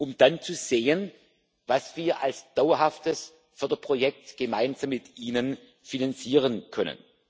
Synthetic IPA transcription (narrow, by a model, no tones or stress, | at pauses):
ʔʊmd̥ant͡suz̥eːən | vasv̥iːɐʔalsd̥awɐɦaftəs | fyːɐdɐpʁ̥ojɛk̚tɡ̥əmaɪnzamːɪtʔiːnən | finant͡siːʁənkʰœnə̰n